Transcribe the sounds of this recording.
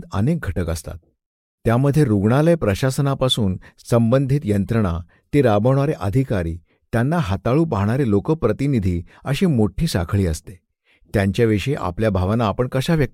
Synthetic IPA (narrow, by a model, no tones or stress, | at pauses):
d̪ə̰nek̚ɡʱəʈəkəst̪a̰t̪̚ː | jaməd̪ʱːjeɾuɡɳaljapɾəɕasənapasuːnsəmbənd̪ʱit̪jənt̪ɾəɳ̃a | t̪eɾabəɳ̃aɾeʔəd̪ʱikaɾiː | t̪janːaɦat̪aɭuːpaɦɳaɾelokəpɾət̪inid̪ʱiːəɕiːmoʈʰiːsa̰kʰɭiːəst̪e̥ | t̪jaɲt͡ɕjaʋiʂəeʔa̰pljabʱaʋnaːpəɳkəɕaʋjək̪̚